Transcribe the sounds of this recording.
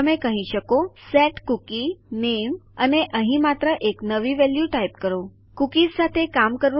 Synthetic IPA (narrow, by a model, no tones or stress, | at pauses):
əmẽkəɦĩɕəkosɛʈkukineʋəneʔə̃ɦĩmat̪ɾəʔeknəʋiʋɛljuʈajp̚kəɾo | kukisat̪ʰekamkəɾʋ